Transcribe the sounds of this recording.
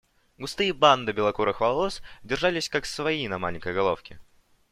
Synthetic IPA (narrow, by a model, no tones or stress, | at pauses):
ɡʊst̪ɨjəband̪ɨbʲɪlˠɐkuɾəxvɐlˠosdʲɪrʐalʲɪsʲkaksvɐinɐma̰lʲɪŋʲkəjɡɐlˠo̞̰fkʲɪ